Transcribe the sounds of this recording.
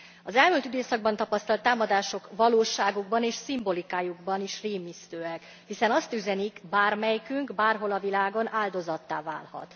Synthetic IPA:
ɒzɛlmylt̪yd̪eːsɒɡ̚bɒnt̪ɒpɒst̪ɒlt̪ːaːmɒd̪aːʃo̞kvɒloːʃaːɡuɡbɒneːʃsimbo̞likaːjuɡbɒniʃreːmist̪øːɛk | hisɛnɒst̪yzɛnikbaːrmɛjkyŋkbaːrɦo̞lɒvilaːɡo̞naːld̪o̞zɒt̪ːa̰ːva̰ːlhɒ̰t̪

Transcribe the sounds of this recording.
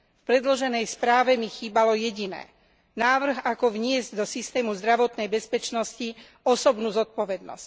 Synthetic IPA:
fpɾɛd̪lɔʒɛnɛjspɾaːʋɛmixiːbalɔjɛɟinɛ̰ː | naːʋr̩ɣakɔʋɲɪɛzɟd̪ɔsist̪ɛːmuzd̪ɾaʋɔt̪nɛjbɛspɛt͡ʃnɔsci | ɔsɔbnuːzɔt̪̚pɔʋɛd̪nɔ̰sc

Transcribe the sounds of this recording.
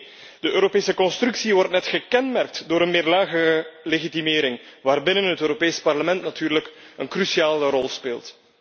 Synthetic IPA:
d̥əʔøːɾopeːsəkɔnstrʉksiʋɔrtnɛtxəkɛnmɛrk̚tdoːɾənmɪːrlaːɣəleɣitimɪːɾɪŋʋaːrbɪnənɦətøːɾopeːspɑrləmɛntnatyːrləkənkrysiaːlərɔlˠspeːlˠt

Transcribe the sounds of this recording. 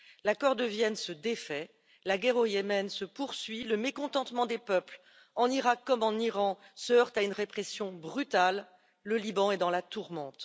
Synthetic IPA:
lakɔʁd̪əvjɛnsəd̪efɛ | laɡɛʁojɛmɛnsəpuʁsɥiləmekɔ̃t̪ɑ̃t̪mɑ̃d̪epœpl | ɑ̃niʁakːɔmɑ̃niʁɑ̃səœʁt̪aynʁepχɛsjɔ̃bʁyt̪alː | əlibɑ̃ɛd̪ɑ̃lat̪uʁmɑ̃t̪

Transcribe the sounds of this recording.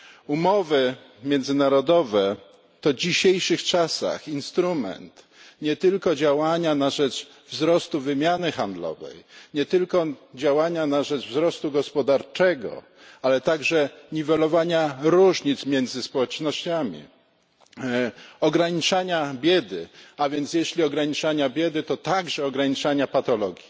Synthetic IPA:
umɔvɘ | mʲjɛnd̪zɘnaɾɔd̪ɔvɛ | t̪ɔd͡ʑiɕejʂɘxt͡ʂasa̰xinst̪ɾumɛ̰nt̪ | ɲɛt̪ɘlkɔd͡ʑawaɲanaʐɛt͡ʂ | vzɾɔst̪uvɘmʲjanɘxand̪lɔ̰vɛ̰jɲɛt̪ɘlkɔd͡ʑawaɲanaʐɛʐvzɾɔst̪uɡɔspɔd̪aɾt͡ʂɛɡɔ̰ | alɛt̪aɡʐɛɲivɛlɔvaɲaɾuʐɲit̪smʲjɛnd̪zɘspɔwɛt͡ʂnɔɕt͡ɕamʲḭ | ɔɡɾaɲit͡ʂaɲabʲjɛd̪ɘavʲjɛnt̪sjɛɕlʲiɔɡɾaɲit͡ʂaɲabʲjɛd̪ɘt̪ɔt̪aɡʐɛɔɡɾaɲit͡ʂaɲapat̪ɔlɔɡʲji

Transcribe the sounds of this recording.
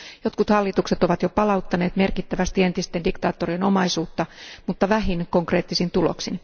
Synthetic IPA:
jo̞t̪kut̪hɑlːit̪ukset̪o̞ʋɑt̪jopɑlɑut̪ːɑne̞ːt̪me̞rkit̪ːæʋæst̪ie̞nt̪ist̪e̞ndikt̪ɑːt̪ːorieno̞mɑisuːt̪ːɑmut̪ːɑʋæɦinko̞ŋkre̞ːt̪ːisint̪ulo̰ksin

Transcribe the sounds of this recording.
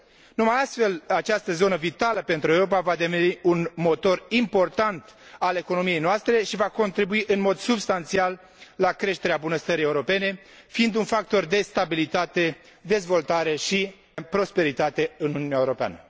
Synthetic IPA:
numajast̪fe̞lat͡ʃast̪əzo̞nəvit̪aləpe̞nt̪ɾuewɾopavad̪eveniunmo̞t̪o̞rimpo̞rt̪ant̪ale̞ko̞no̞mije̞jnoast̪ɾe̞ʃivako̞nt̪ɾibuiʔɨnmo̞d̪subst̪ant̪sialː | akɾeʃt̪e̞ɾeabunəst̪əɾijeuɾo̞pe̞ne̞ | fiind̪unfak̚t̪o̞rd̪e̞st̪abilit̪at̪e̞ | d̪e̞zvo̞lt̪aɾe̞ʃi | pɾo̞spe̞ɾit̪at̪e̞ɨnununɛaeuɾo̞pea̰nə

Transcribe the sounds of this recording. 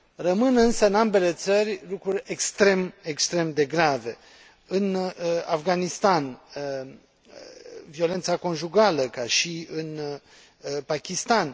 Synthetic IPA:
rəmɨnɨnsəɨnambe̞le̞t̪sərʲlukɾurʲekst̪ɾe̞mekst̪ɾe̞md̪e̞ɡɾave̞ | ɨnafɡanist̪an | vio̞le̞nt̪sako̞nʒuɡaləkaʃiɨn | pakʲist̪an

